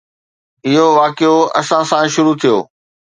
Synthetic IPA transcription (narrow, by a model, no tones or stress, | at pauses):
ɪɦoʋaːkɪjoɐ̰sãsãʃʊɾut̪ʰijoː